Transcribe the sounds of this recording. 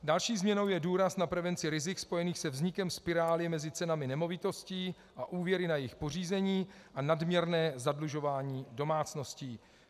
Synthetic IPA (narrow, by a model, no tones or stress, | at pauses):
dalʃiːzmɲɛno̞wjɛduːɾasnapɾɛvɛnt͡sɪɾɪzɪkspo̞jɛniːxsɛvzɲɪkɛmspɪɾaːlɪɛmɛzɪt͡sɛnamɪnɛmo̞vɪt̪o̞sciː | ʔaʔuːvjɛɾɪnajɪxpo̞r̝iːzɛɲiːʔanadmɲɛɾnɛːzadluʒo̞vaːɲiːdo̞maːt͡sno̞sciː